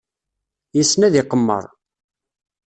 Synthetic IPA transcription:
jisnæðiqəmːə̰ɾˤ

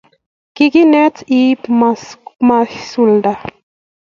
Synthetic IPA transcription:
kikinɛti | masulda

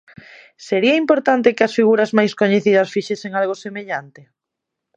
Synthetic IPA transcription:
seɾiɐimpoɾt̪ant̪ɪkɪɐsfiɣuɾɐzmajskoɲeθiðɐsfiʃeseŋalɣosemeʎant̪ɪ

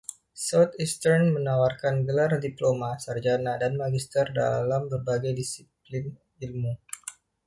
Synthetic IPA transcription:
sawt̪ist̪ərnmənawarkanɡəlardiplomasard͡ʒanadanmaɡist̪ərda̰lambərbaɡajdisiplin | ilmu

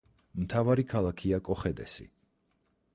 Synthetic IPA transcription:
mt̪ʰavaɾikʰalˠakʰiakʼɔχɛd̪ɛ̰sḭ

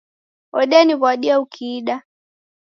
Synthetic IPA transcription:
ɔɗɛaniβaɗiaukʰiːɗa

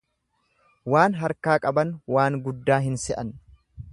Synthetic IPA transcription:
waːnɦɐɾkaːkʼɐbɐnwaːŋɡʊd̪ːaːɦɪnsɛʔɐn

